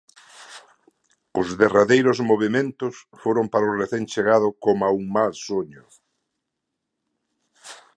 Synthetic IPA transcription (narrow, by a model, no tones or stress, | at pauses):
ʊzðeraðejɾʊzmoβ̞emẽnt̪ʊsfoɾompaɾʊreθeŋt͡ʃeɣað̞ʊkomauŋmalsoɲʊ